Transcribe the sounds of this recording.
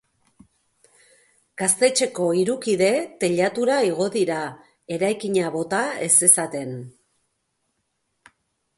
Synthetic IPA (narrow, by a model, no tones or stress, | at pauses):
ɡ̥ast̪e̞t͡ʃe̞ko̞iɾukiðe̞t̪e̞ʎat̪uɾaiɣ̞o̞ðiɾa | e̞ɾajkiɲaβo̞t̪ae̞se̞sat̪e̞n